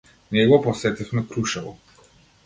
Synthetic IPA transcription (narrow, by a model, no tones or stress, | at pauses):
nɛɡɔpɔsɛt̪ifmɛkɾuʃavɔ̰